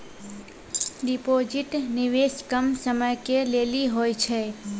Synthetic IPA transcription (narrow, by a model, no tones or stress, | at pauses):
ɖɪpoːd͡ʒɪʈnɪʋeːʃkəmsəməjkeleːliɦoːjt͡ʃʰɛ